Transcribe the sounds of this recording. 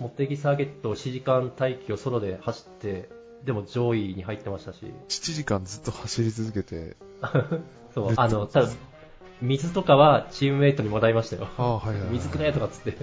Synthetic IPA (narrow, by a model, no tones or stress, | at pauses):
mo̞t̪ːe̞ɡʲisaːɡe̞t̪ːo̞ːɕiʑikãnt̪aikʲio̞so̞ɾo̞d̪e̞haɕi̥t̪ːe̞ | d̪e̞mo̞d͡ʑo̞ːiɲ̟iɦait̪ːe̞maɕi̥t̪aɕḭɕi̥t͡ɕiʑikãnd͡zɨt̪ːo̞haɕiɾʲit͡sɨzɨke̞t̪e̞̰ | so̞ːano̞t̪abɯ̃ | mʲizɨt̪o̞kaβat͡ɕimɯ̟e̞ːt̪o̞ɲ̟imod̪aimaɕi̥t̪ajo̰ahaamʲizɨkɯnajet̪o̞kat͡sɨ̥t̪ːe̞